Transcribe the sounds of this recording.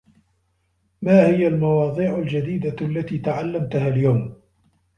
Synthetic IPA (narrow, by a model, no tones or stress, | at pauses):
maːhɪjalmɑwɑːd̪ˤiːʕald͡ʒad̪iːd̪alːat̪iːt̪aʕalːamt̪aɦaːljawm